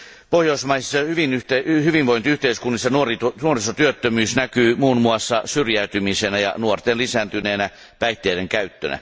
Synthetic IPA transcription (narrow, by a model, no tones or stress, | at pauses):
pohjoismɑisisːɑhyʋinyht̪ehyʋinʋoint̪iyht̪eiskunːisːɑnuorit̪unuorisot̪yøt̪ːømyːsnækyːmuːnmuɑsːɑsyrjæyt̪ymisenæjɑ̰nuort̪enlisæːnt̪yneːnæ | pæit̪ːeːɾeŋkæyt̪ːø̰næ̰